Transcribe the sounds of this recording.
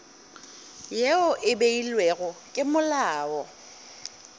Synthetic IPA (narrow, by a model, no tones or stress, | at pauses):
jeʊʔɪbeilweɣʊkʼɪmʊlaːɔ